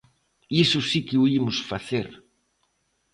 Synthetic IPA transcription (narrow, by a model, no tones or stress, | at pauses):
isʊsikɪuimʊsfaθeɾ